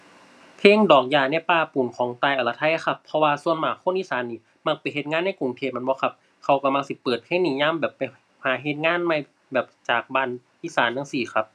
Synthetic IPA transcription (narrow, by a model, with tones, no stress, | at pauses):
pʰeː˧˥˨ŋdɔː˨˩k̚jaː˧˩na˧˩˨paː˧pu˨˩˦nkʰɔː˨˦ŋt̪aː˧˩jʔa˨˩la˧t̪ʰa˧˥˨ʔa˧˦xʰa˧pʰːɔ˧waː˧su˧ənmaː˨˩kʰo˧˥˨nʔiː˧˥˨saː˨˦nːiː˧˩ | ma˧˩ŋ̚pa˨˩jɦe˧t̪̚ŋaː˧˥˨nːa˧˥˩ku˧˨ŋt̪ʰeː˧˩m˧˥˨bɔː˧˦kʰa˧p̚ | kʰa˧˩wka˧˩mla˧ŋsi˧˦pɤː˨˩t̪̚kʰa˧˥˨niː˧˦ɲaː˧˥˨mbɛː˨˩pːa˨j | haː˨˦ɦe˧˦t̪̚ŋaː˧˥˨nma˧˨j | bɛː˨˩p̚t͡ɕaː˨˩k̚baː˧˥˨n | ʔiː˧˥˨saː˨˦nːaː˧˥˩ŋsiː˧˩xʰa˧˩p̚